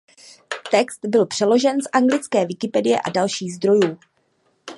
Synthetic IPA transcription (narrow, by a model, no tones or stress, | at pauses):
t̪ɛkst̪bɪlpr̝̥ɛlo̞ʒɛnsʔaŋɡlɪt͡skɛːvɪkɪpɛdɪjɛʔa̰dalʃiːɣzd̪ɾo̞juː